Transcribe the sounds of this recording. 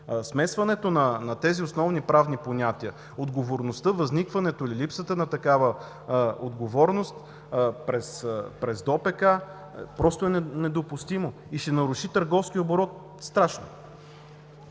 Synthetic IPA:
smɛsvɐnɛt̪onɐnɐt̪ɛziosnɔvnipɾavniponʲat̪iə | od̪ɡovoɾnost̪ɤvɐznikvɐnɛt̪oililipsət̪ənɐt̪ɐkavə | od̪ɡovɔɾnost̪ | pɾɛspɾɛzd̪ɔpɛka | pɾɔst̪oɛnɛnɛd̪opʊst̪imo | iʃɛnɐɾʊʃit̪əɾɡɔfskʲiəoboɾɔt̪̚ | st̪ɾaʃno̰

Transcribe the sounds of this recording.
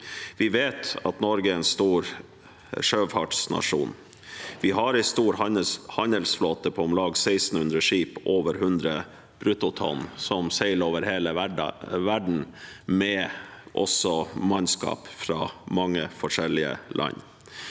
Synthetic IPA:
ʋɪʋeːt̪ɑt̪nɔɾɡəɛɛnst̪uːɾ | ʂøːfɑʈsnɑ̰ʂṵːn | ʋɪɦɑɾɪst̪uːɾɑhɑnd̪əlsfloːt̪əpʰɔmlɑːɡsæɪst̪n̩hʉnd̪ɾəʂiːpʔoːʋəɾɦʉnd̪ɾə | b̥ɾʉt̪ʊt̪ʰɔ̰nsɔmsæɪloːʋəɾheːlə̰ʋæɖɳ̩mɛʔɔ̰sɔmɑnskɑ̰ːpfɾɑːmɑŋːəfɔʂɛlɪə̰lʔɑ̰ɲ

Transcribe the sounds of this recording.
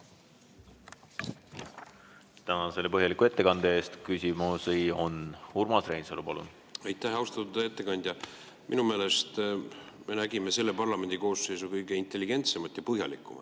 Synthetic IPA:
t̪ænɑse̞lepɤɦjɑlikːˑue̞t̪ːe̞kɑnd̪̥ee̞ːst̪kysʲimosejonhurmɑsɾejnselupɑlṵn̥ | ɑjt̪ːˑæɦɑwst̪ɑt̪ud̪eet̪ːe̞kɑnʲd̪̥ʲjɑ | minume̞ːle̞st̪me̞næɡime̞se̞lːe̞pɑrlɑme̞nʲd̪̥iko̞ːsːejsukɤjɡ̥e̞int̪ːe̞lːiɡ̥e̞nt̪se̞mɑt̪jɑpɤɦjɑ̰likːˑumɑt̪ːˑ

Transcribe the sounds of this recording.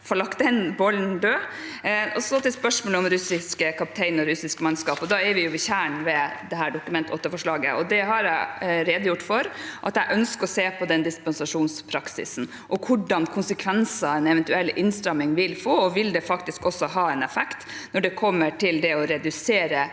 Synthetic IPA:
fɔɭɑkt̪̚d̪ɛnbɔlnd̪øː | ɔsɔt̪ɪlspœʂmɔːləʊmɾʉsɪskəkʰɑp̚t̪ʰɛɪnɔɾʉsɪskmɑnskɑːpɔd̪ɑːɛɾʋɪjʊʋɪçæːɳʋɛd̪ɛɦæːɖʊkʉmɛnt̪ʰo̰ːt̪ːəɾfɔʂɭɑːɡə̰ʔɔd̪ɛɦɑɾæɪɾeːd̪əjʊʈːfɔɾʔɑt̪æɪʔœnskəɔseːpʰɔd̪ɛnd̪ɪspɛnsɑʂuːnspʰɾɑksɪ̰sn̩ | ʔɔkʰʊɖɑnkʰʊnsəkʰʋɛnsɑɛnɛʋɛnt̪ʉɛlːʔɪnst̪ɾɑmːɪŋʋɪlfoːɔʋɪld̪ɛfɑkt̪ɪskɔsːɔɦɑːɛnɛfɛkt̪ | nɔɖɛkʰɔmːəʈʰɪld̪ɛɔɾɛd̪ʉseːɾə

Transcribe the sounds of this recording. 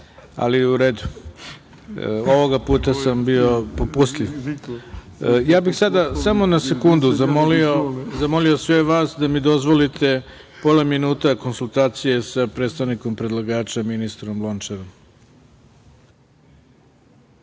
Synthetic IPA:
a̰liuɾeːd̪u | oʋo̞ɡapuːt̪asambio̞popust̪liʋ | jaːbixsad̪asamo̞nase̞kund̪uzamolio̞zamo̞lio̞sʋeʋaːsd̪amid̪o̞zʋo̞lit̪ʰe̞ | po̞laminuːt̪ako̞nsulˠt̪aːt̪sije̞sapɾet̪st̪aʋniko̞mpɾe̞d̪lˠaɡaːt͡ʃaminist̪ɾo̞mlˠo̞nt͡ʃaɾom

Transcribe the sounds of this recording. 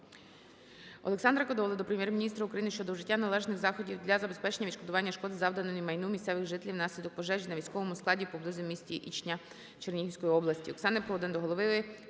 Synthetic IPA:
ɔ̰lˠeksɑnd̪ɾɐkɔd̪ɔlˠɪd̪ɔpɾemjɛrmʲinʲist̪ɾɐukɾɐjinɪʃt͡ʃɔd̪ɔʒɪtʲːanɐlˠɛʒnɪxzɑxɔdʲiwd̪lʲɐzɐbespɛt͡ʃenʲːɐʋit͡ʃʃkɔd̪ʊʋɑnʲːɐʃkɔd̪ɪzɑwd̪ɐnɔimɐjnumʲist̪sɛʋɪɣʒɪt̪elʲiwnɑsʲlʲid̪ɔk̚pɔʒɛʒinɐʋʲijsʲkɔʋɔmʊsklˠɑdʲipɔblˠɪzʊmʲisʲtʲiʔḭt͡ʃnʲɐ | t͡ʃernʲiɦiwʲsʲkɔjiɔblˠɐsʲtʲiɔ̰ksɑnepɔɔd̪ɪnd̪ɔɦɔlˠɔʋɪɪ

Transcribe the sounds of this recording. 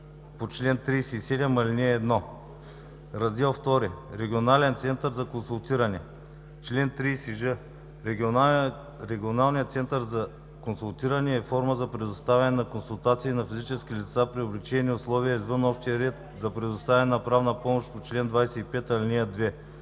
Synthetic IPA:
pot͡ʃlɛnt̪ɾiːsɛisɛd̪ɛmɐlniɛːd̪nɔ | ɾɐzd̪ɛlˠft̪ɔɾiɾɛɡʲionalɛnt̪sɛnt̪əɾzɐkonsulˠt̪iɾɐnɛ | t͡ʃlɛnt̪ɾijsiʒɤ | ɾɛɡʲio | ɾɛɡʲionalˠnijət̪sɛnt̪əɾzɐ | konsulˠt̪iɾɐnɛːfɔɾməzɐpɾɛd̪ʊst̪avʲɐnɛnɐkonsulˠt̪at̪siːnɐfizit͡ʃɛsk̟ʲilit̪sapɾioblit͡ʃɛniʊslˠɔviəizvɤnɔʃt̪iəɾɛt̪ | zɐpɾɛd̪ʊst̪avʲɛnɛnɐpɾavnɐpɔmoʃt̪pot͡ʃlɛnd̪vajsɛipɛt̪ɐlinʲiəd̪vɛ

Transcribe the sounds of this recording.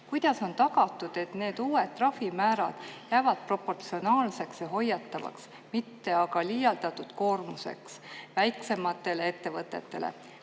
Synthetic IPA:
kujd̪̥ɑso̞nt̪ɑɡɑt̪ːˑud̪̥e̞t̪ne̞ːd̪̥uːet̪̚t̪ːrɑfimæːɾɑd̪̥jæːvɑd̪̥̚pro̞pːo̞rt̪sio̞nɑːlse̞ksjɑɦo̞jːɑt̪ːɑvɑ̰ks | mit̪ːe̞ɑɡɑliːjɑld̪ɑt̪ːud̪̥ko̞ːrmuse̞̰ksvæjkse̞mɑt̪ːˑe̞lee̞t̪ːe̞vɤt̪ːˑet̪ːe̞̰lḛ

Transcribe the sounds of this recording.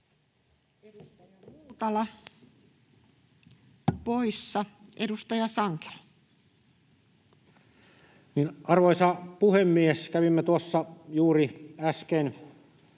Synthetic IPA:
edust̪ɑjɑmuːt̪ɑlɑ | poisːɑʔedust̪ɑjɑsɑŋke̥l | niːnɑrʋoisɑpuhemːieskæʋimːet̪uɑsːɑjuːriæsken

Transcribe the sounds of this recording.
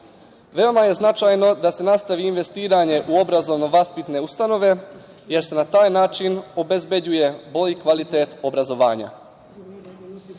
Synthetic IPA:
ʋe̞o̞maje̞znat͡ʃajno̞d̪ase̞nast̪aʋiːnʋe̞st̪iːɾaɲe̞ʔuo̞bɾazo̞ʋno̞ʋaspit̪ne̞ust̪ano̞ʋe̞ | je̞ɾse̞nat̪aːjnaːt͡ʃino̞be̞zbed͡ʑuje̞bo̞ʎikʋalit̪eːt̪o̞bɾazo̞ʋa̰ːɲa̰

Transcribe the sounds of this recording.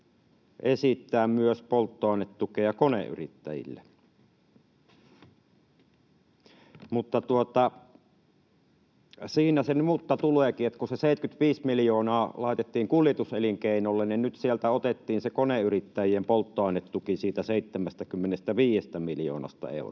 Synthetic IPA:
ʔesit̪ːæːmmyøspolt̪ːoɑˑnːet̪tukejɑkonḛʔʔy̰rit̪ːæ̰jḭlːḛ | mut̪ːɑt̪uot̪ɑ | siːnæsenmut̪ːɑt̪ulˑeːkiet̪ːkuseseˑit̪kyt̪ʋiːsmiljoːnɑːlɑˑet̪et̪ːiːŋkuljet̪useliŋkeˑinolːenninnyt̪sielt̪æot̪et̪ːiːnsekoneyrit̪ːæjiempolt̪ːoɑˑenet̪t̪ukisiːt̪æseˑit̪ːemæst̪ækymːenest̪æʋiːjest̪æmiljo̰ːnɑ̰st̪ɑ̰ḛˑṵr

